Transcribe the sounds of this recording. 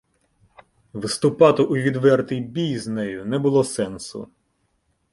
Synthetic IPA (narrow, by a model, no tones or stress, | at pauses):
ʋɪst̪ʊpɑt̪ɪʔʊʋʲid̪ʋɛrt̪ɪjbʲijznɛjʊnɛbʊlˠɔsɛnsʊ̰